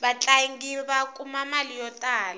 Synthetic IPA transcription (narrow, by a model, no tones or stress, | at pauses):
ɓat͡ɬʼaŋɡiβakʼumamalijɔtʼaːla